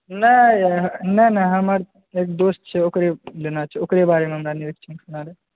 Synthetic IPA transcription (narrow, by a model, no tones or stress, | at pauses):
nɐ | nɐnɐɦɐmaɾ | eːk̚d̪oːst̪̚t͡ʃʰeokɾelenat͡ʃʰeokɾebaːɾemẽɦɐmɾaniʋekt͡ʃʰinsunaːɾe